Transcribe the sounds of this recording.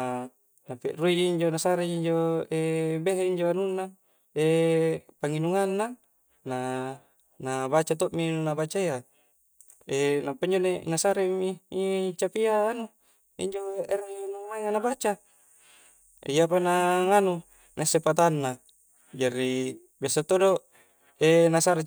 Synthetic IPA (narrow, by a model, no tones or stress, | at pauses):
napiʔruid͡ʒiiɲd͡ʒonasaɾed͡ʒiːɲd͡ʒoebeɦeiɲd͡ʒoanunːa | epaŋinuŋanːa | na | nabat͡ʃat̪oʔminabat͡ʃaia | enampaiɲd͡ʒonenasaɾemiit͡ʃapiaːnu | ḭɲd͡ʒoernumaiŋanabat͡ʃa | ḛjapanaŋanu | nʔasepat̪anːa | d͡ʒaɾi | biasat̪odo | enasaɾe